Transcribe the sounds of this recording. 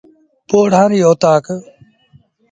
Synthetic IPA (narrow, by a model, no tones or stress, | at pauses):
poːɽ̤ãːniːoːt̪aːk